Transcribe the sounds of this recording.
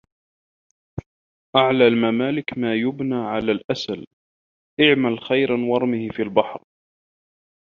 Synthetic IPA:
ʔaʕlaːlmamaːlɪkmaːjʊbnaːʕalaːlʔasal | ʔɪʕmalxajɾʔanwɑɾˤmɪhɪfiːlbaħɾ

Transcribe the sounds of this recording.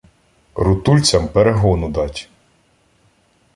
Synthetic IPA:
ɾʊt̪ulʲt͡sʲɐmpeɾeɦɔnʊd̪ɑtʲ

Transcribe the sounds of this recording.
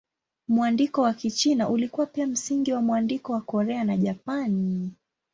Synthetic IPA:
muandikɔwakit͡ʃinaʔulikuwapiam̩siŋɡiwamuandikɔwakɔɾɛanaʄapani

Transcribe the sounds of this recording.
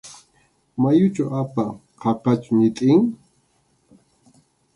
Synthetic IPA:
majʊt͡ʃaʔapa | qʰɑpat͡ʃʊɲɪt̪ʼɪŋ

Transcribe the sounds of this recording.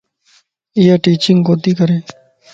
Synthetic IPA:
ijaʈiːt͡ɕiŋkoːt̪iːkəɾeː

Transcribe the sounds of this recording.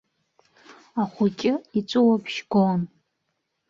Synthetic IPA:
aχʷʊt͡ʃʲʼɪit͡sʷʼɨwapʰʃɡon

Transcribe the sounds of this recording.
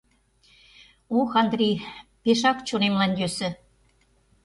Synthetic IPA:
oxɑnd̪ɾʲijpeʃɑkt͡ɕonemlɑnʲd̪øsɘ̆

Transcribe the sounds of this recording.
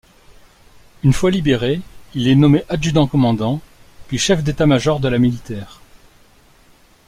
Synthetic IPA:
ynfwalibeʁeilɛnɔmeʔad͡ʒyd̪ɑ̃kɔmɑ̃d̪ɑ̃pɥiʃɛfd̪et̪amaʒɔʁd̪əlamilit̪ɛːʁ

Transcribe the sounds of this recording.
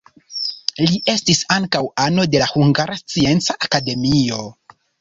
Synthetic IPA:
liʔe̞stisaŋkawano̞de̞lahuŋɡaɾast͡sie̞nt͡saʔakade̞mio̞

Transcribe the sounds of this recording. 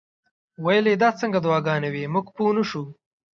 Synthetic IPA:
wajled̪ɑːt͡səŋɡad̪wɑːɡɑːnewimuɡpunuʃu

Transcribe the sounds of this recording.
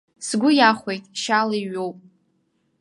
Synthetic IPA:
sɡʷʊjaχʷejtʼʃaliɥowpʼ

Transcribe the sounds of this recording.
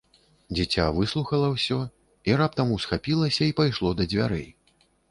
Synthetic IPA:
d͡zʲit͡sʲa̰vɨslˠuxɐlˠɐwsʲɔ | iɾap̚t̪ɐmusxapʲilˠɐsʲɐipajʂlˠɔd̪ɐd͡zʲvʲa̰ɾɛ̰j

